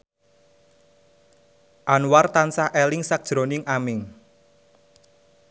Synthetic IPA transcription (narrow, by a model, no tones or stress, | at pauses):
ʔanwart̪ansahʔɛlɪŋsak̚d̥ʒ̥ɾonɪŋamɪŋ